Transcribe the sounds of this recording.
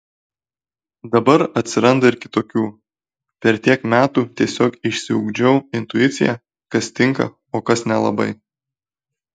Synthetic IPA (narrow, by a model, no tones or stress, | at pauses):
d̪ɐbɐɾɐt̪ʲsʲɪɾɐnd̪ɐɪɾkʲɪt̪oːkʲuː | pʲɛɾt̪ʲiɛkmʲæːt̪uːt̪ʲiɛsʲoːkɪʃʲsʲɪʊ̰ɡd͡ʒʲɛʊɪnt̪ʊɪt̪sʲɪjæ | kɐst̪ʲɪŋkɐ̰ | oːkɐsnʲɛlˠɐ̰bɐ̰ɪ